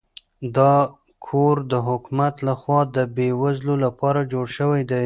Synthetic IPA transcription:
d̪ɑ | kʰoɾd̪əɦʊkmat̪laxwɑd̪əbewazlolapɑɾad͡ʒoɽʃəwajd̪aj

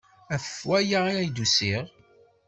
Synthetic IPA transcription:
æfəfwæjaiæjd̪usiʁ

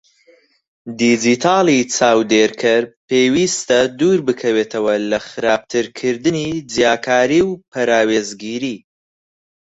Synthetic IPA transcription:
d̪id͡ʒit̪ʰaːlˠit͡sʰaːwd̪eːɾkʰɐɾpeːwist̪ɐd̪uːɾbɨkʰɐweːt̪ʰɐwɐlɐχɨɾaːb̚t̪ʰɨɾkʰɨɾd̪ɨnid͡zjaːkʰaːɾiːwpʰɐɾaːweːzɡiːɾiː

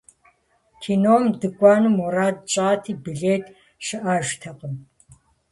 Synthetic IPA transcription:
kʰiːnoːmdɨkʷʼaːnɨmɔraːt̚t͡ʃʼaːtʰiːbiɮeːtʰʼ | ʃɪʔaːʒtʰɐqʼəm

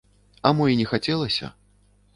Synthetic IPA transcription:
ɐmɔinʲɛxat͡sʲɛlˠɐsʲɐ̰

